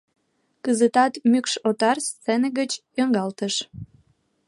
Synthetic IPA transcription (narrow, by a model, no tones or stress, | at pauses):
kəzət̪ɑt̪mykʃot̪ɑrst͡senəɣət͡ɕjøŋɡɑlt̪əʃ